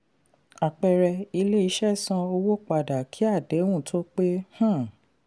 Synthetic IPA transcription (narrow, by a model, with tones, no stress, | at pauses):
a˨k͡pɛ˨ɾɛ˧i˧le˦i˧˦ʃɛ˦sã˧o˧wo˦k͡pa˨da˨kʰi˨˦a˦˨de˨˦wũ˦˨tʰo˦k͡pe˦hã˦˨